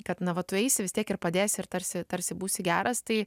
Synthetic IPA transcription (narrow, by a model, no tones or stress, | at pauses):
kɐt̪nɐʋɐt̪ʊɛɪsʲɪʋʲɪst̪ʲiɛkɪrpɐd̪ʲeːsʲɪɪɾt̪ɐɾʲsʲɪt̪ɐɾʲsʲɪbuːsʲɪɡʲæːɾɐst̪ɐɪ